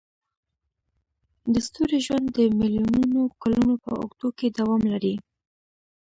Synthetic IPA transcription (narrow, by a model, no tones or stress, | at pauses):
d̪əst̪uɾeʒwand̪ːəmiljununokalunopə̰ʊ̰ɡd̪oked̪awɑmlaɾi